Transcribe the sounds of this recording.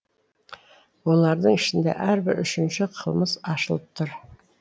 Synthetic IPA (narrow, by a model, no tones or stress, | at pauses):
wolˠɑɾd̪əŋɪʃɪnd̪ḛʔæɾbɪɾʏʃɪnʃɪqʰəlˠməzɑʃəlˠəp̚t̪ʰʊɾ